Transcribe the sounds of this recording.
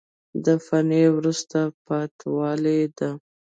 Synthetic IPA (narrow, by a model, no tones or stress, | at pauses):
d̪əfanewɾust̪apɑt̪wɑled̪a